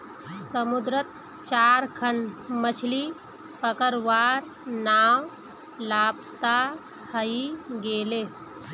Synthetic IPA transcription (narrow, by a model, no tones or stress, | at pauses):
səmud̪ɾət̪̚ | t͡ʃaːɾkʰəɳmət͡ʃʰli | pəkəɾʋaːɾ | naːw | laːp̚t̪a | hʰəiɡeːleː